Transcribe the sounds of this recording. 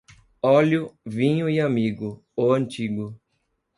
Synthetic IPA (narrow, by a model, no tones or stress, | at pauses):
ɔlʊvĩɲʊiamiɡʊ | oɐ̃nt͡ʃiɡʊ